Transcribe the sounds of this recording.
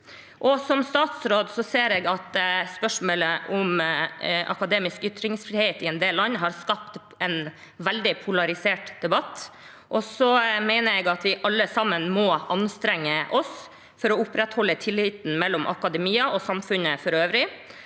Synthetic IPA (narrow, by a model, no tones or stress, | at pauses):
ʔɔsɔmst̪ɑːt̪sɾoːd̪sɔseːɾeɡɑt̪spœʂmoːləʔɔm | ʔɑ̰kɑd̪eːmɪskʏt̪ɾɪŋsfɾɪheːt̪ɪɛnd̪eːllɑnːɦɑɾskɑp̚t̪ | ɛn | ʋæld̪ɪpʰʊlɑɾɪseːʈd̪̥ɛbɑt̪ː | ʔɔsɔmæɪnəɾɛɡɑt̪ʋɪʔɑlːəsɑmːənmɔʔɑnst̪ɾɛŋːəʔɔs | fɔɾɔʊpɾɛt̪hɔlːət̪ʰɪlːɪt̪n̩mɛlːɔmʔɑ̰kɑd̪ɛmiːɑʔɔsɑmfʉnəfɔɾøːʋɾɪ